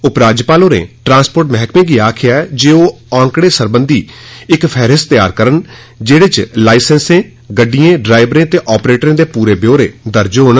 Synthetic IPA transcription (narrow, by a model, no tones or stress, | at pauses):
ʊpɾaːd͡ʒpaːloːnḛːʈɾãːnspoːɾʈmɛɦkmẽːɡiːaːkʰɪjaːɛd͡ʒeːoː | ãːŋkɽeːsəɾbənd̪iːɪkpʰɛːɾɪst̪ja̰ːɾkəɾəɳ | d͡ʒeːɽeːt͡ʃlaːɪsɛnsẽː | ɡəɖːijẽːɖɾaːɪbɾẽːt̪eːʔɔːpɾeːʈɾẽːd̪eːpuːɾeːbjoːɾeːd̪əɾd͡ʒɦoːɳ